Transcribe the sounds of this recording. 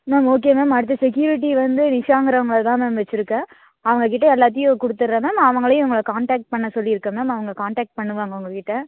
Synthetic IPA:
meːmoːk̬eːmeːmɐɽɯt̪ːɐsɛk̬juːɾɪʈ̬ːiʋɐnd̪ɯnɪʂaːŋɡɪɾɐʋɐŋɡɐɭt̪ãːmeːmʋɛt͡ʃːɪɾɯkːɐ̃ː | ɐʋɐŋɡɐkɪʈːɐɛlːaːt̪̬ːɪjʊ̃kʊɽɯt̪ːɯɾɾẽːmeːmɐʋɐŋɡɐɭɐjʊʊŋɡɐɭɐkaːɳʈaːk̚ʈ̚pɐɳːɐsɔlːiɪɾɯkːɐ̃meːmɐʋɐŋɡɐkaːɳʈaːk̚ʈ̚pɐɳːɯʋaːŋɡɐʊŋɡɐkɪʈːɐ

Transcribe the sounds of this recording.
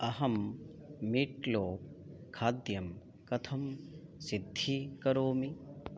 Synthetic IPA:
ɐɦɐmː | iːʈloːkʰaːd̪jɐm | kɐt̪ʰɐmsid̪ʱːikɐɾoːmi

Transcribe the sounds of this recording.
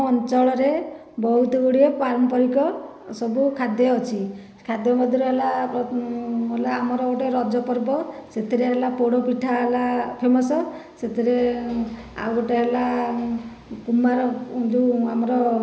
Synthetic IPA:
ɔnt͡ʃɔɭɔɾe | bɔɦut̪ɔɡuɽiepaɾɔmpɔɾikɔ | sɔbukʰad̪jɔɔt͡ʃʰi | kʰad̪jɔmɔd̪ʱiɾɔɦelaɔɦelaːmɔɾɔɡoʈeɾɔd͡ʒɔpɔɾbɔset̪ʰiɾeɦelapoɽopiʈʰaɦelapʰemɔsɔset̪ʰiɾe | a̰ɡɔʈeɦela | kumaɾɔd͡ʒuamɔɾɔ

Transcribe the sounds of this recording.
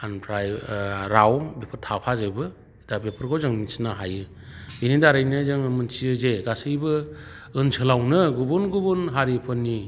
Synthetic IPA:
anpʰɾajɾawbepʰɯɾtʰapʰazɯjbɯ | dabepʰɯɾɡʰɔwzɯŋnisnaɦajɯ | binidaɾajnɯzɯŋmɯnt͡ʃiɯzeɡasɯjbɯ | ɯnsʰɯlawnɯɡubunɡubunɦaɾipʰɯnːi

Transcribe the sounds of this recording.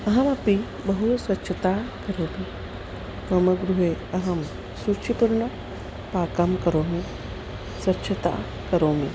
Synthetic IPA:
ɐɦɐmɐpi | bɐɦuswɐtːʃʰɐt̪aːkɐɾoːmi | pɐmɐɡɾuɦeːɐɦɐm | sɾut͡ʃʰipuɾɳɐ | paːkɐmkɐɾoːmi | sʋɐtːʃʰɐt̪a̰ː | kɐɾoːmi

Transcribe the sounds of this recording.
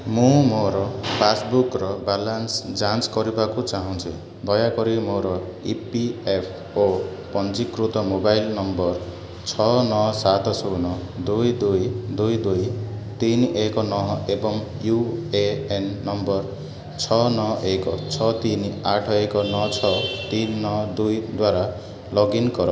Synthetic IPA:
mumoɾʌpʰasbukrʌbalansd͡zãnskʌɾibakot͡saɦʌ̃nt͡sʰṵ̃ | d̪ʌjakʌɾimoɾʌ | ipiepʰ | o | pʌnd͡zikrut̪ʌmobajlnʌmbʌr | t͡sʰʌnʌsat̪ʰʌsonʌd̪ujd̪ujd̪ujd̪ujt̪inekonʌɦʌebʌŋ | jueenːʌmbʌr | t͡sʰʌnʌʔekot͡sʰʌt̪inaʈʰʌekonʌt͡sʰʌt̪inːʌd̪ujd̪waɾa | lʌɡinkʌɾʌ

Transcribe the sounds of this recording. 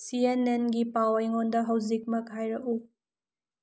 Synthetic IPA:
sienenɡipawajŋondɐɦɐwzik̚mɐkhajɾɐʔu

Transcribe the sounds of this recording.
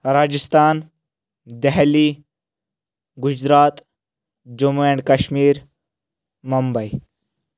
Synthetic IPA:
ɾaːd͡ʒist̪aːn | d̪ɛɦliː | ɡʊd͡ʒɾaːt̪ | d͡ʒumeɳɖkɐʃmiːɾ | mumbɐi

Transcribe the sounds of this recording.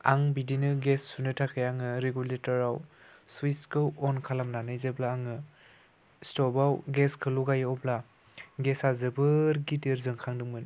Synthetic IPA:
a̰ŋbidinɯɡesːunɯtʰakʰɯjaŋɯɾeɡuletɔɾawswiskʰɯwɔnkʰalamnanɯjzeblaːŋɯ | stɔbawɡeskʰɯluɡajɔbla | ɡesazɯbɯɾɡitiɾzɯŋkʰaŋdɯŋmɯn

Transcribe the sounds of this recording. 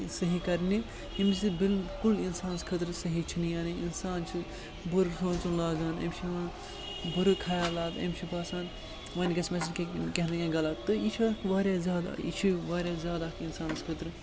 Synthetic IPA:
sɐɦikɐɾni | imsibilkulinsaːnskʰɐt̪ɾɨsɐɦit͡ʃʰinijaːniinsaːnt͡ʃʰi | buɾsoːnt͡ʃunlaːzaːnɐ̰mt͡ʃʰi | buɾɨkʰɐjaːlaːt̪ɐ̰mʲt͡ʃʰipaːsaːn | ʋɐnɡɐsmɐsʰinkekeɦnɐkʲẽɡɐlat̪t̪ːɨit͡ʃʰaːkʋaːɾjaːzjaːd̪a̰ḭt͡ʃʰiʋaːɾʲjaːzjaːd̪aːkinsaːnskʰɐt̪ɾɨ

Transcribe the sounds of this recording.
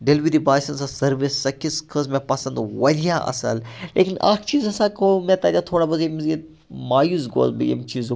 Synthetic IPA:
ɖelʋiɾibaːsɐnsãsɐɾʋesːɐkʰiskʰəzmẽpɐsɐ̃nd̪ʋɐd̪ijaʔɐ̰sɐ̰llḛːkina̰ːkʰt͡ʃiːzɐsãːkomẽt̪aːd͡ʒʲat̪ʰoːɽabɐzemizi | maːjuːzɡo̰ːzbḭḛmt͡ʃiːz

